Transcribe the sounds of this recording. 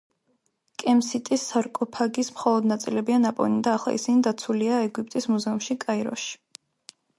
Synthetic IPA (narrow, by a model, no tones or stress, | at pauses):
kʼɛmsit̪ʼisːaɾkʼɔpʰaɡismχɔlˠɔd̪nat̪sʼilɛbianapʼɔ̰nid̪aːχlˠa̰ʔḭsinid̪at̪sʰuliaɛɡipʼt̪ʼismuzɛumʃikʼaiɾɔ̰ʃi̥